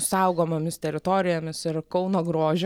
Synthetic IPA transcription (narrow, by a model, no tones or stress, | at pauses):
sɐʊɡoːmɐmʲɪst̪ʲɛɾʲɪt̪oːɾʲɪjɛːmʲɪsɪɾkɐʊnoːɡɾoːʒʲʊ